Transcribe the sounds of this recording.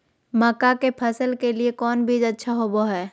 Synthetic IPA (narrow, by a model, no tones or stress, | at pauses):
məkakepʰəsəlkeliekɔːnbʱid͡ʒɐtːʃʰaɦoboɦɛː